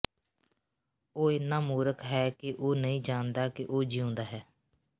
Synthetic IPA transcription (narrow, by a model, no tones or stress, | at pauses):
oːɪnãːmuːɾəkɦɛːkɪʔoːnəĩːd͡ʒaːnd̪aːkɪʔoːd͡ʒiõːnd̪aːɦɛː